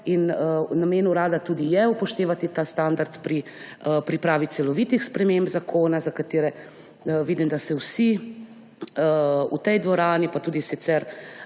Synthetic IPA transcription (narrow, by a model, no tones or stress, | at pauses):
innameːnuɾaːd̪at̪uːd̪ijɛupɔʃt̪eːʋat̪it̪aːst̪aːnd̪aɾt̪pɾiəpɾipɾaːʋit̪sɛlɔʋit̪ixspɾɛmembzakʰoːnazakat̪eːɾɛ | ʋiːd̪imd̪asɛwsi | əṵt̪ɛjd̪ʋɔɾaːnipat̪uːd̪isit̪sɛɾ